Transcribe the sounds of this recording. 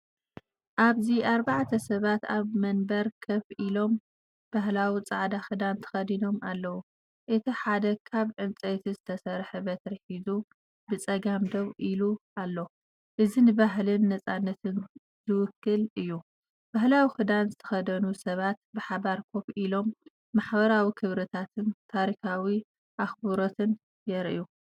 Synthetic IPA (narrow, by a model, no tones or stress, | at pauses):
ʔaβziʔaɾbaʕt̪ʰɐsɐβat̪aβmɐnbɐɾkʰɐfʔilo̞m | b̥aɦlawit͡sʼaʕd̪axɨd̪ant̪ʰɐ̥xɐd̪ino̞malːɐwu | ʔɨt̪ʰiħad̪ɐkʰaβʕɨnt͡sʼet̪ʰizɨt̪ʰɐsɐɾħebɐt̪ɾɨħizu | bɨt͡sʼɐɡamd̪oβʔilualːo | ʔɨzinɨbaɦlɨnːɐt͡sʼanːɐt̪ʰɨn | zɨwʊkːɨlɨjːu | b̥ahlawixɨd̪anzɨt̪ʰɐ̥xɐd̪ɐnusɐβat̪̚bɨħaβaɾkʰo̞fʔilo̞mː | aħbɐɾawikʰɨβɾɐt̪ʰat̪ʰɨnt̪ʰaɾikawi | ʔaxbuɾo̞t̪ʰɨn | jɛɾʔju